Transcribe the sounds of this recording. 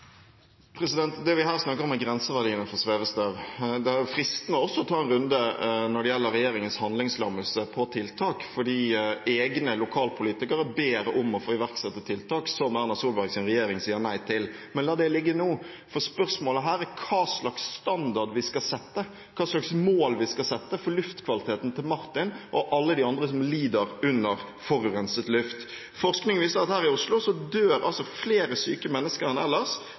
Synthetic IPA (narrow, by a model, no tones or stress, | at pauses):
pʰɾɛsɪd̪ɛnt̪d̪ɛʋɪɦæːʁsnɑkːəɾʁɔmɛɡɾɛnsəʋæʁɖiːənəfɔsʋeːʋəst̪øːʋd̪ɛæɾjʊfɾɪst̪ənəɔsːɔt̪ʰɑːɛnɾʉnd̪ənɔɖɛjɛlːəɾɛjeːɾɪŋənshɑnd̪lɪŋslɑməlsəpʰɔt̪ʰɪlt̪ʰɑːkfɔɖiːʔeːɡnəlʊkʰɑːlpʰʊliːt̪ɪkəɾəbeːɾəʔʊmɔfoːɪʋæɾksɛt̪ːət̪ʰɪlt̪ʰɑːksɔmæʁnɑsuːlbɑɡsɪnʁɛjeːɾɪŋsiːəɾnæɪt̪ʰɪlmɛnlɑːd̪ɛlɪɡːənuː | fɔɾspœɾsmoːləɦæːɾækʰɑːslɑksst̪ɑnd̪ɑʁɖ̪ʋɪskɑsɛt̪ːə | kʰɑːslɑksmoːlʋɪskɑsɛt̪ːəfɔlʉft̪kʰʋɑlɪt̪ʰeːt̪n̩t̪ʰɪlmɑɾt̪ɪnʔɔʔɑlːəd̪ɪɑnd̪ʁəsɔmliːd̪əɾʉnːəɾ | fɔɾʉʁɛnsət̪lʉft̪ | fɔʁsknɪŋʋiːsəɾɑt̪hæːɾɪʊslʊsɔd̪øːɾɑ̰lsɔfleːɾəsyːkəmɛnːəskəɾɛnɛ̰lːəʁs